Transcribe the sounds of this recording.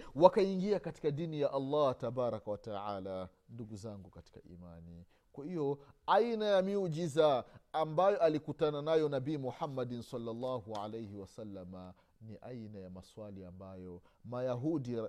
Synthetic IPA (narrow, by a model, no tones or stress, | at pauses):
wakaiŋɡiakati̥kadinijaʔɑlːɑtabaɾakawataʕaːla | nduɡuzaŋɡukati̥ka̰ʔḭmani | kwahijɔainajamiud͡ʒizaːmbajɔʔalikutananajɔnabiːmuħamːadinsalːalːɑːhuʕa̰lejhiwasalːama | niʔainajamaswaliambajɔmajaɦudi